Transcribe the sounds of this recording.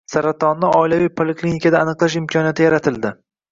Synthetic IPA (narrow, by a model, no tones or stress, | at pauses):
saɾat̪ʰɒnːɪɒɪlavijpʰoleklʲinikʰʲad̪aːnɨqlˠaʃ̬ɪmkʲʰɒnijat̪ʰɪjaɾat̪ʰɪld̪ɪ